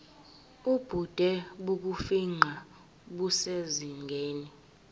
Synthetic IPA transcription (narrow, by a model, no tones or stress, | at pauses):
ub̥ʱud̥ʱɛɓuk̬ufiŋ͡ǃʱa | ɓuseziŋɡʱeːni